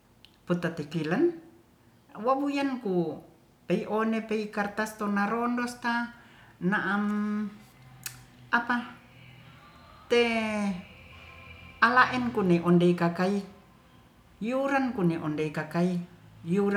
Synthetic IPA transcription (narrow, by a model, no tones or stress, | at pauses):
put̪at̪ikilan | wabujanku | peiʔonepeikart̪ast̪onaɾɔndɔst̪anaʔam | apa | t̪e | alaʔɛnkunɛʔɔndeikakai | juɾankuneʔɔndeikakaijuɾa